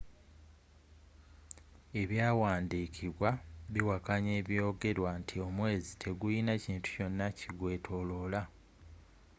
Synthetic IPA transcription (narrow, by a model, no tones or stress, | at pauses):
e̞βjaːwaːndiːkʰiβwaβiwakaɲe̞ːβjo̞ːɡe̞ɾwantʰio̞mwe̞ːzitʰe̞ɡujinaciːntu̥co̞nːaciɡwe̞ːtʰo̞lo̞ːla